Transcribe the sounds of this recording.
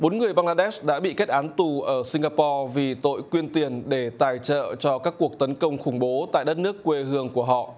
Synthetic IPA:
ɓo˨˦nŋɨ˨˩əjɓaː˧ŋlaː˧ɗɛ˦˥sɗa̰ː˧˥ɓḭ˧˨ke˦˥t̚ʔaː˨˦nt̪u˨˩ʔəː˧˩si˧ŋɣaː˧pɔ˧vi˨˩t̪o̰˧˨jkwi˧ənt̪i˨˩ənɗe˧˩t̪aː˨˩jt͡ɕə̰ː˧˨t͡ɕɔ˧kaː˦˥kːu˨˩ək̚t̪ə˨˦nkə˧wŋ͡mxʊ˧˩ŋ͡mɓo˨˦t̪a̰ː˧˨jɗə˦˥t̚nɨ˦˥əkːwe˧hɨ˧əŋku˧˩əɦɔ̰˧˨

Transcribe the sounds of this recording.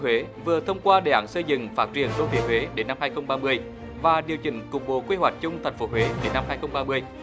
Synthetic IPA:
we˨˦vɨ˨˩ət̪ʰə˧wŋ͡mkwaː˧ɗe˧˩ʔaː˧˩nsə˧jzɨ̰˧˨ŋfaː˦˥t̚t͡ɕḭ˧˩ənzo˧vi˨˩əwe˨˦ɗe˨˦nːa˧mhaː˧jxə˧wŋ͡mɓaː˧mɨ˧əj | vaː˨˩ɗi˨˩əwt͡ɕï˧˩ŋ̟kʊ˨˩k͡p̚ɓo̰˧˨kwi˧hwa˨˩jk̟̚t͡ɕʊ˧ŋ͡mt̪ʰa˨˩jŋ̟fo˨˦ɦwe˨˦ɗe˨˦nːa˧mhaː˧jxə˧wŋ͡mɓaː˧mɨ˧əj

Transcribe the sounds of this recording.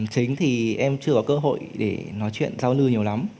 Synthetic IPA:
t͡ɕï˨˦ŋ̟t̪ʰi˨˩ʔɛ˧mt͡ɕɨ˧əkɔ˨˦kəː˧ɦo̰˧˨jɗe˧˩nɔ˨˦jt͡ɕwḭ˧˨ənzaː˧wlɨ˧əɲi˨˩əwla˨˦m

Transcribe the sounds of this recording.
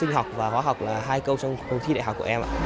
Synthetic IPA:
sï˧ŋ̟ɦa˨˩k͡p̚vaː˨˩hwaː˨˦ɦwk͡p̚laː˨˩ɦaː˧jkə˧wt͡ɕɔ˧wŋ͡mɗə˨˦t̪ʰi˧ɗa̰˧˨ɦk͡pkːʔɛ˧mʔa̰ː˧˨

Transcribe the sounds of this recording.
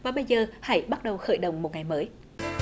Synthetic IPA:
vaː˨˩ɓə˧jzəː˨˩ha̰˧˥jɓa˦˥t̚ɗə˨˩wxə̰˧˩jɗə˨˩wŋ͡mmo˨t̚ŋa˨˩jməː˨˦j

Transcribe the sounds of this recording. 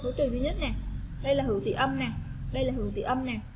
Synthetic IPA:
so˨˦t͡ɕɨ˨˩ŋt̪i˧˦ɲə˦˥t̚na˨˩ | ɗə˧jlaː˨˩ɦɨ̰˧˩wt̪ḭ˧˨ʔə˧mnaː˨˩ɗə˧jlaː˨˩ɦɨ˧˩wt̪ḭ˧˨ʔə˧mnaː˨˩

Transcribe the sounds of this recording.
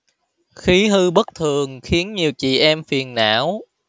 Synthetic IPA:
xi˨˦ɦɨ˧ɓə˦˥k̚t̪ʰɨ˨˩əŋxi˨˦ənɲi˨˩əwt͡ɕḭ˧˨ʔɛ˧mfi˨˩ənːa̰ː˧˥w

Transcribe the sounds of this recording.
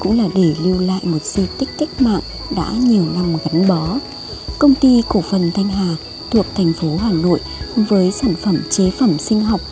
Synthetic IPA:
kʊ̰˧˥ŋ͡mlaː˨˩ɗe˧˩lɨ˧wla̰ː˧˨jmo˨˩t̚zi˧t̪ï˦˥k̟̚kːa˦˥k̟̚ma̰ː˧˨ŋ | ɗa̰ː˧˥ɲi˨˩əwna˧mɣa˨˦ŋɓɔ˨˦ | kə˧wŋ͡mt̪i˧ko˧˩fə˨˩nt̪ʰa˧jŋ̟ɦaː˨˩ | t̪ʰu˨˩ək̚t̪ʰɛ˨˩jŋ̟fo˨˦ɦaː˨˩no̰˧˨jvəː˨˦jsaː˧˩nfə˧˩mt͡ɕe˨˦fə˧˩msï˧ŋ̟ɦa˨˩wk͡p̚

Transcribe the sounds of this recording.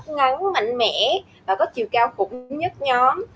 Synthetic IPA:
ŋa˨˦ŋma̰˧˨jŋ̟mɛ̰˧˩˥ | vaː˨˩kɔ˨˦t͡ɕḭ˨˧˨əwkaː˧wxʊ̰˧˩ŋ͡mɲə˦˥t̚ɲɔ˨˦m

